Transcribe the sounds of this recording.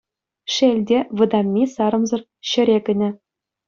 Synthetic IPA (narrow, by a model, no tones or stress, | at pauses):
ʂelʲdʲeʋɤ̆d̪ɑmʲːisɑɾɤ̆mzɤ̆r | ɕɘ̆ɾʲekʲɘ̆nʲɘ̆